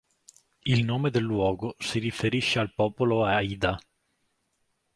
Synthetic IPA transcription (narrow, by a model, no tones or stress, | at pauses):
ilnoːmed̪elːwɔːɡosirifeɾiʃːealpɔːpoloaid̪a